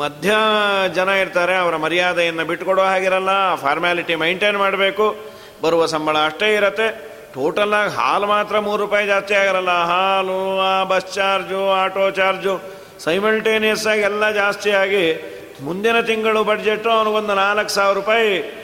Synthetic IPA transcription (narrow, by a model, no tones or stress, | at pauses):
mɐd̪ʱjɐd͡ʒɐnɐiɾt̪aːɾeɐʋɐɾɐmɐɾijaːd̪ɐjɐnːɐbiʈːkoɽoʋɦaːɡiɾɐlːɐpʰaːɾmaːliʈimejɳʈeːnmaːɽɐbe̞ːku | bɐɾuʋɐsɐmbʱɐɭɐːʂʈe̞ːiɾɐt̪ːe̞ | ʈoːʈɐlaːɡiɦa̰ːlumaːt̪ɾɐmuːɾɾupaːjd͡ʒaːst̪ijaːɡiɾɐlːɐɦaːluaːbɐst͡ʃaːɾd͡ʒuaːʈoːt͡ʃaːɾd͡ʒu | sɐjmɐlʈeːnijɐsaːɡiɛlːɐd͡ʒaːst̪ijaːɡi | mund̪inɐt̪iŋɡɐɭubɐɖd͡ʒeʈːuɐnuʋond̪unaːlɐkːsaːʋiɾɾupaːji